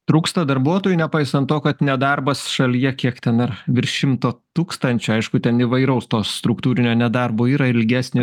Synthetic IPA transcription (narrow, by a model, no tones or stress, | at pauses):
t̪ɾuːkst̪ɐd̪ɐɾbuɔt̪oːjʊnʲɛpɑɪsɐnt̪oːkɐt̪nʲɛd̪ɑrbɐsʃɐlʲijɛkʲiɛkt̪ʲɛnɐrʋʲɪɾʃʲɪmt̪oːt̪uːkst̪ɐnʲt͡ʃʲʊɐɪʃkʊt̪ʲɛniʋɐɪɾɐʊst̪oːst̪ɾʊkt̪uːɾʲɪnʲoːnʲɛd̪ɑrboːiːɾɐɪlʲɡʲæːsʲnʲɪ